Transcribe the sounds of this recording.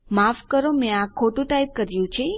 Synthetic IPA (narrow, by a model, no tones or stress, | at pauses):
mafkəɾomẽakʰːoʈũʈajp̚kəɾjũt͡ʃʰe